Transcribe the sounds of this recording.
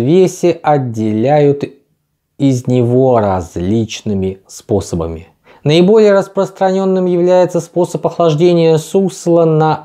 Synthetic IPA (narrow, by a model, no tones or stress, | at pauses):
vʲesʲɪʔɐdʲːɪlʲæjʊt̪ | ɪznʲɪvo̞ɾɐzʲlʲit͡ɕnɨmʲɪspo̞səbə̰mʲɪ̰ | nəɪbo̞lʲɪjəɾəspɾəst̪ɾɐnʲo̞nːɨmjɪvlʲæjɪt̪səspo̞səpɐxlˠɐʐdʲenʲɪjəsuslˠənɐ